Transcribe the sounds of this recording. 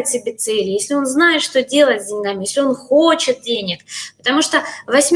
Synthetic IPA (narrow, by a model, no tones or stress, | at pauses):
ɪt̪ʲsʲɪbʲet̪sɛlʲɪjesʲlʲɪo̞nznajɪt̪ʂt̪odʲe̞lˠətʲzʲdʲɪnʲɡamʲɪjesʲlʲɪo̞nxot͡ɕɪt̪̚dʲenʲɪkpət̪ɐmuʂt̪ovɐsʲmʲ